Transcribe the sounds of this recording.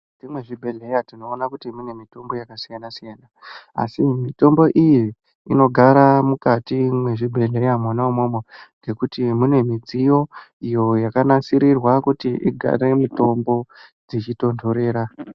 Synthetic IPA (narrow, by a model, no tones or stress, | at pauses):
d͡zimwe̞ʐibʱe̞ɮe̞jatino̞ːnakutimune̞mito̞mbo̞jakasijanasijanaa̰simito̞mbo̞ʔiji | ino̞ɡʱaɾamukatimwe̞ʐibʱe̞ɮe̞jamonaomomoŋɡe̞kutimune̞mid͡zijo̞ijo̞jakanasiɾirwakutiʔḭɡʱa̰ɾe̞mito̞mbo̞d͡zit͡ʃito̞ndʰoɾe̞ːɾa